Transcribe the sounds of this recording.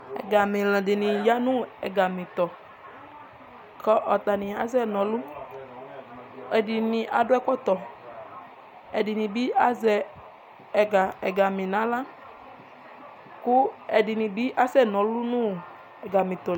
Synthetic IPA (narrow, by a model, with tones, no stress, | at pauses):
ɛ̰˨ɡa˨mɪ̃˨lɛ̃˨dɪ˨nɪ̃˨ja˦nũ˦ɛ̰˨ɡa˨mĩ˨t̪ɔ˨ | kɔ˦ʔɔ˨t̪a˨nɪ̃˨a˨zɛ˦˨nɔ̃˨˦lu˦ | ɛ˨dɪ˨nĩ˨ʔa˨dʊ˦ɛ˦kɔ˦t̪ɔ˨ | ɛ˨dɪ˨nĩ˨bi˦a˦zɛ˨ | ɡa˨ɛ˨ɡa˨mĩ˨nã˨˦la˦ | kʊ˦ɛ˨dɪ˨nĩ˨bi˦ʔa˦sɛ˦˨nɔ̃˨lu˦nũ˦˨ | ɛ˨ɡa˨mĩ˨t̪ɔ˨